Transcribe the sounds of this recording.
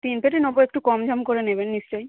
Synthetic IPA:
t̪inpeʈ̬inoboek̚ʈukɔmd͡ʑʱamkoɾenebenːist͡ɕoj

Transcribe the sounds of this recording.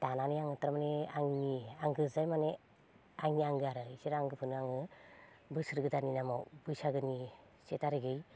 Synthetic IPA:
tananijaŋɯtɾamaneaŋniaŋɡɯzajmane | aŋniaŋɡɯaɾɯisiɾaŋɡɯpʰɯnɯaŋɯ | bɯsɯɾɡɯdaninamawbɯjsaɡɯni | setaɾɯɡɯj

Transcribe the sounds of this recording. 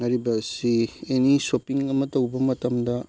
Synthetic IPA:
ŋɐɾibɐsienisopiŋɐmɐtɐwbɐmɐtɐmdɐ

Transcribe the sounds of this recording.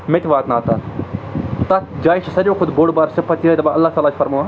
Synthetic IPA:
met̪ʋaːt̪naːt̪aː | t̪ɐd͡ʒaːjt͡ʃʰsɐɾõːkʰʊd̪boːɽbaːɾsɪpːɐt̪iad̪ɐbaɐlːaːt̪aːlaːt͡ʃʰfʰɐɾmaːʋaː

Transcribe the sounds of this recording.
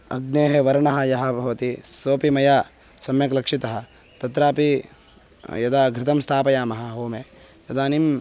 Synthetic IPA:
ɐ̰ɡneːɦeʋɐɾɐɳɐɦɐ̆jɐɦɐbʱɐʋɐt̪isoːpimɐjaː | sɐmjɐklɐkʂit̪ɐɦɐ̆ | t̪ɐt̪ɾaːpi | jɐd̪aːɡʱɾɪt̪ɐmst̪ʰaːpɐjaːmɐɦɐɦoːme | jɐd̪aːnim

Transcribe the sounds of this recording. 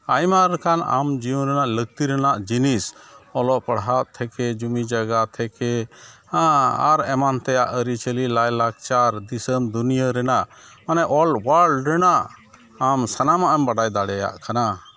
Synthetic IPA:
ajmaɾkʰana̰md͡ʒiũɾɛnaʔləɡ̚t̪iɾɛnaʔd͡ʒinisɔlɔʔpəɽɦaʔt̪ʰɛkɛd͡ʒumid͡ʒaɡat̪ʰɛkɛ | aa̰ɾɛmant̪ɛjaʔəɾit͡ʃəlilajlaɡ̚t͡ʃaɾd̪isəmd̪unijəɾɛnaʔ | manɛʔɔlɖwəɾɖɾɛnaʔ | amsanamaʔɛmbaɖajd̪aɽɛja̰ʔkana

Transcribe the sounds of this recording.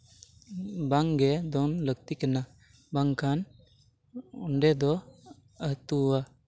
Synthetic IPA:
baŋɡɛd̪ɔnləɡ̚t̪ikɛna | baŋkʰan | uɳɖɛd̪ɔ | əɦt̪uwa

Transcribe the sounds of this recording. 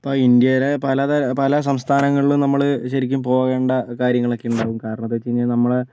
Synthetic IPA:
ɐpːoːind̪jɐjɾepɐlɐðɐpɐlɐs̬ɐmst̪ʰaːnɐŋːɐɭiɭumnɐmːɐɭɕɐɾikʲːumpo̞ːɣe̞ːɳɖɐkaːɾjɐŋːɐɭokːejuɳɖaːɣumkaːɾɐɳɐðːet͡ɕejɲːɐnɐmːɐɭ

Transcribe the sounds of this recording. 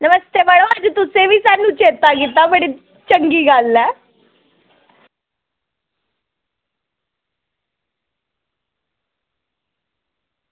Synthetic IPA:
nəməst̪eːbəɽoad͡ʒt̪ʊsẽʋʱiːsanːũːt͡ʃeːt̪aɡɪt̪abəɽiː | t͡ʃəŋɡiːɡalːɛː

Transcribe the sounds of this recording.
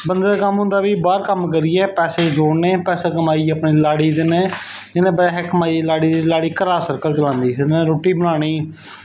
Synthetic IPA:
bənd̪eːakəmɦʊ̃nd̪aːʋiːbaːɾkəmk̬əɾiːɛːpɛːseːd͡ʒoːɽneːpɛːseːk̬əmaːiːəpɳiːlaːɽiːd̪ɪnẽːɪnẽːbəɦɛkmaːiːlaːɽiːd̪iːlaːɽiːkəɾaːsəɾkəlt͡ʃəlãːnd̪iːneːɾoːʈiːbəɽ̃aːɽ̃iː

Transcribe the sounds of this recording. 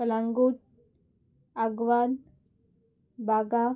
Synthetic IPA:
əlãŋɡuʈ̚ | aɡʋan | bʱaɡa

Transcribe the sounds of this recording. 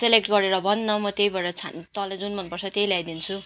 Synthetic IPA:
selek̚ʈɡʌɾeɾʌbʱʌnːʌmʌt̪ejbʌɾʌt͡sʰant̪ʌlad͡zunmʌnpʌrt͡sʰʌt̪jejlajd̪int͡sʰu

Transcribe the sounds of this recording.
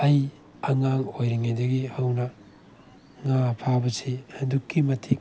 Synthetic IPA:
ɐj | ɐŋaŋojɾiŋajdɐɡihawnɐ | ŋapʰabɐsidukːimɐtʰik̚

